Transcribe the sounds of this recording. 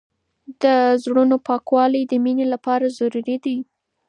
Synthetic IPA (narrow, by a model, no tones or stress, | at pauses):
d̪əzɽunopɑkwɑlijd̪əminelapɑɾazaɾuɾed̪ai